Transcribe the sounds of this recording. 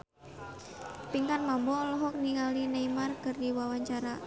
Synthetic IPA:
piŋkanmambɔlɔɦɔk̚niŋalinaimarkɨrdiwawaɲt͡ʃaɾa

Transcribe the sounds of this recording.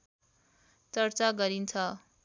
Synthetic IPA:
t͡səɾt͡saɡəɾint͡sʰa

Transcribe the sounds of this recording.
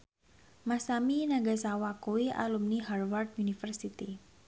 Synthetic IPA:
masaminaɡasawakuwiʔa̰lumniɦarward̪̚unifərsit̪i

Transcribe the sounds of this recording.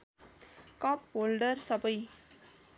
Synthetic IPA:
kɔːpːoːlɖəɾsʌpəj

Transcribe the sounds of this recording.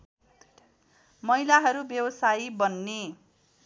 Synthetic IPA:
mʌilaɦʌɾubjʌwʌsajibʌnːe

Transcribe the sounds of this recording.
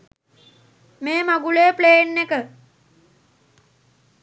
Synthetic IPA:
meːmaɡuleːpleːnːekə

